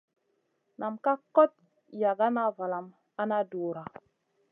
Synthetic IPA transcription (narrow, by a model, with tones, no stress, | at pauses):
na˨mka˦ko˦t̚ | ja˨ɡa˦na˦va˨la˨m | a˦na˦doː˨ɾa˨